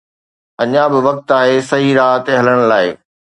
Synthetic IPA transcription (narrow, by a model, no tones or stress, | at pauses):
ɐɲãbɪʋɐk̚t̪aːɦesɐɦiɾaːɦət̪eɦɐləɽ̃laːɪ